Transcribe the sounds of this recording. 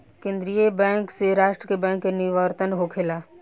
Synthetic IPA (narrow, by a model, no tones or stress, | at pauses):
kẽːnd̪ɾiebɛ̃ːŋkseɾaːʃʈɾəkebɛ̃ːŋkːenɪʋəɾt̪ənɦokʰelaː